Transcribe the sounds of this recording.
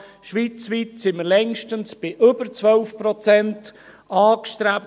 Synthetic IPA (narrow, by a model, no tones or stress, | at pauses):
ʃʋiːt͡sʋiːtsɪməlɛŋʃtənsb̥ɪʔʏbəɾt͡sʋœlfpɾɔt͡sɛnt | ɑːkʃtɾæp